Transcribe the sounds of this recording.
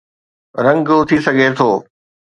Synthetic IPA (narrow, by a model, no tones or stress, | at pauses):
ɾɐ̃ŋɡʊt̪ʰisɐɡʱet̪ʰoː